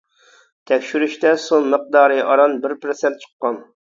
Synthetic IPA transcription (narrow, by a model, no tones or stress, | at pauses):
t̪ʰɛkʲʃyɾyʃt̪ɛsonməq̚d̪ɑːɾɨʔɑɾɑnbɪɾpɾɨsɛnt̪̚t͡ʃʰə̥qːɑn